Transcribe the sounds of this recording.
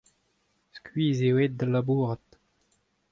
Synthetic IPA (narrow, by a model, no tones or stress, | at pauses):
skɥiːzewet̪̚d̪əlabuːʁət̪